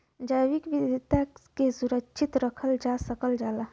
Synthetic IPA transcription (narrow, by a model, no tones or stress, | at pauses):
d͡ʒaːʋɪkʋɪd̪ʱɪt̪akesuɾəkʃʰɪt̪ɾəkʰəld͡ʒasəkəld͡ʒaːlaː